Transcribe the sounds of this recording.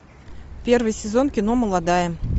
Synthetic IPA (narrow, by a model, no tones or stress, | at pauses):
pʲe̞rvɨjsʲɪzo̞nkʲɪno̞məlˠad̪ajə